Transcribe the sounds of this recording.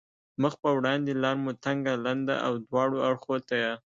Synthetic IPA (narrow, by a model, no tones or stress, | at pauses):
məxpəwɽɑnd̪elɑɾmut̪aŋɡaland̪a̰ʔa̰wd̪wɑɽoaɽxot̪aja